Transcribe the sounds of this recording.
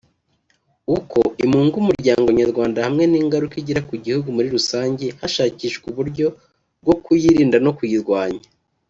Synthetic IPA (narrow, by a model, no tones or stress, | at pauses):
uko̞ʔimuːŋɡuumuɾɟaːŋɡoɲaɾɡwaːndahamŋe̞niːŋɡaɾukiɟiɾakuɟihuɡumuɾiɾusaːɲɟehaʃaːciʃɡuβuɾɟo̞ | b̚ɡo̞kujiɾiːndano̞kujiɾɡwaːɲa